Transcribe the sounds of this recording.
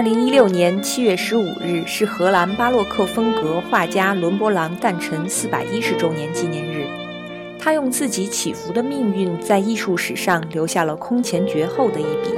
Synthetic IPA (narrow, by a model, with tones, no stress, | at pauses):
ə˥˩li˧˥ŋi˥ljo˥˩ʊnjɛ˧˥nt͡ɕʰi˥ɥɛ˥˩ʂɻ̩˧˥ṵ˨˩ɻɻ̩˥˩ʂɻ̩˥˩xɤ˧˥la˧˥npa˥lwɔ˥˧kʰɤ˥˩fɤ˥ŋkɤ˧˥xwa˥˩t͡ɕja˥lwə˧˥npwɔ˥lɑ˧˥ŋt̪a˥˩nʈ͡ʂʰɤ˧˥ŋsɹ̩˥˩pa̰˨˩ɪi˥ʂɻ̩˧˥ʈ͡ʂo˥ʊnjɛ˧˥nt͡ɕi˥njɛ˧˥nɻɻ̩˥˩ | t̪ʰa˥jʊ˥˧ŋt͡sɹ̩˥˩t͡ɕi˧˥t͡ɕʰi˨˩fu˧˥d̪ə˧mi˥˧ŋy˥˧nt͡sa˥˧ɪi˥˧ʂu˥˩ʂɻ̩˨˩ʂɑ˥˩ŋljo˧˥ʊɕja˥˩lə˩kʰʊ˥ŋt͡ɕʰjɛ˧˥nt͡ɕɥɛ˧˥xo˥˩ʊd̪ə˩i˥˩pḭ˨˩˦